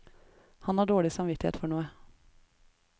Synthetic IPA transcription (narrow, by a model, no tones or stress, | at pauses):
hɑnhɑːɖoːɭɪsɑmʋɪt̪ɪḛːt̪fɔɳuːə